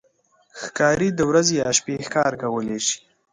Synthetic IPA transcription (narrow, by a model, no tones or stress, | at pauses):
xkɑɾid̪əwɾazejɑʃpexkɑɾkawəleʃi̥